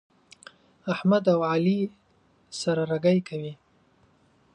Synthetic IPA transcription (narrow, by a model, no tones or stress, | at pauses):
ahmad̪awʕali | saɾaɾaɡajkʰawi